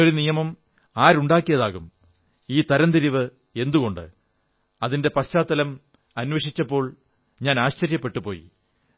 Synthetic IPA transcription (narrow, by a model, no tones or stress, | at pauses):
oɽinijɐmɐm | aːɾuɳɖaːkːijɐðaːɣum | iːt̪ɐɾɐnd̪iɾiʋɨ | e̞nd̪uɣo̞ɳɖɨ̰ | ɐðinde̞pɐɕt͡ɕaːt̪ːɐlɐm | ɐnʋɐʂit͡ɕːɐpːo̞ːɭ | ɲaːnaːɕt͡ɕɐɾjɐpːe̞ʈːupo̞ːjḭ